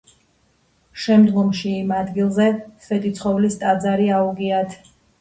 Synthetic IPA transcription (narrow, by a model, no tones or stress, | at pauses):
ʃɛmd̪ɡɔmʃiːmad̪ɡilˠzɛfɛt̪ʼit̪sʰχɔvlist̪ʼad̪zaɾiauɡiat̪ʰ